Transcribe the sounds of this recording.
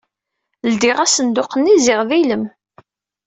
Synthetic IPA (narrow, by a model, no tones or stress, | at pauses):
ld̪ɪʁæsənd̪ʊqənːizɪʁðiləm